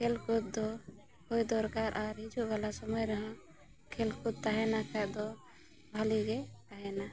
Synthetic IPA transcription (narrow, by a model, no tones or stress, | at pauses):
kʰelkut̪̚d̪ɔ | kojd̪ɔɾkaɾʔaɾɦid͡ʒuɡalasɔmɔjɾəɦã | kʰelkʰut̪̚t̪aɦɛnakʰad̪ɔ | bʱaliɡɛt̪aɦɛna